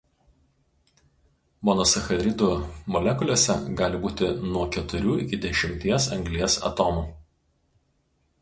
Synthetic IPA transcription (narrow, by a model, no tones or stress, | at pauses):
mɔnɔsɐxɐd̪ʲɾʲɪd̪umɔlʲɛkʊlʲoːsʲɛ̰ɡɑːlʲɪbuːt̪ʲɪnuɔkʲɛt̪ʊɾʲuːɪkʲɪd̪ʲɛʃʲɪmʲt̪ʲiɛsɐ̰ŋɡlʲiɛsɐ̰t̪oːmu